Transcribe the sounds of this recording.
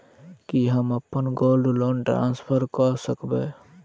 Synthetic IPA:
kiɦəməpːənɡoːlɖloːnʈɾa̰ːnspʰəɾkɔsəkbeː

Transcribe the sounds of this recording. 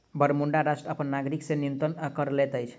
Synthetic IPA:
bəɾmuɳɖaɾasʈɾəəpənːaɡɾiksenijunt̪ənkəɾlet̪əjt͡ʃʰ

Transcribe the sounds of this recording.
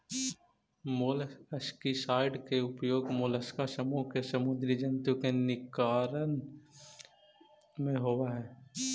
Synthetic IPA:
moːləskisaːɪɖkeʊpjoːɡmoːləskasəmuːɦkesɐmʊd̪ɾid͡ʒənt̪ukenɪkaːɾən | mẽɦoːwaɦɛː

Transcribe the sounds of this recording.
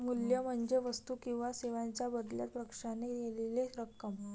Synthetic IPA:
muljəm̤əɳd͡ʑeʋəst̪ukĩw̃ʋaseʋãɲt͡ɕjabəd̪ljat̪̚pɾəkʂanejeleleɾəkːəm

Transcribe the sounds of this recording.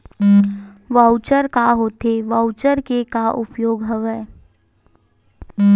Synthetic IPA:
ʋaʊt͡ʃəɾkaɦoːt̪eʋaʊt͡ʃəɾkekaʔʊpjoːɡɦɐʋɛ

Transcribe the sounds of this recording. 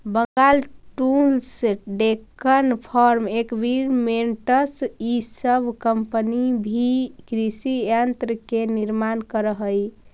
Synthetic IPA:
bəŋɡalʈulsɖekənpʰɔɾmekbʱiɾmeɳʈəsisəbʱkəmpənibʱikɾisijənt̪ɾəkeniɾmankəɾəɦəj

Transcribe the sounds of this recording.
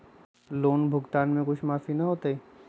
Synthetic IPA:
loːnbʱʊɡt̪aːnmẽkʊt͡ʃʰmaːfinɐɦoːt̪ai

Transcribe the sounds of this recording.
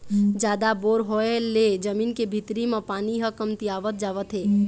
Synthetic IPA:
d͡ʒaːd̪aboːɾɦoeled͡ʒəmiːnkebʱit̪ɾimapaːniɦəkəmt̪iaːʋət̪̚d͡ʒaːʋət̪ɦeː

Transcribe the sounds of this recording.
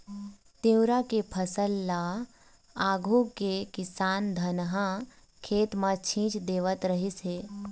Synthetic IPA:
t̪ĩwɾakepʰəsəlːaː | aːɡʱukekɪsaːnd̪ʱɐnɦã | kʰeːt̪mat͡ʃʰĩːt͡ʃd̪eːʋət̪ɾəɦisɦeː

